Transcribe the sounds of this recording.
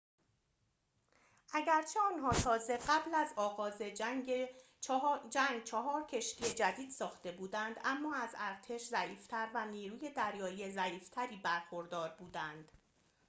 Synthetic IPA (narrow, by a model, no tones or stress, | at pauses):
ʔæɟæɾt͡ʃʰe̞ɒːnɦɒːt̪ʰɒːze̞ɢæblæzɒːɣɒːze̞ | d͡ʒæŋɡt͡ʃʰeɦɒːɾcʰe̞ʃt̪ije̞d͡ʒæd̪iːd̪̥sɒːxt̪e̞buːd̪ænd̪æmːɒːæzæɾt̪ʰe̞ʃzæʔiːft̪ʰæɾvæniːɾuːje̞d̪æɾjɒːiezæʔiːft̪ʰæɾiːbæɾxo̞ɾd̪ɒːɾbuːd̪ænd̪̥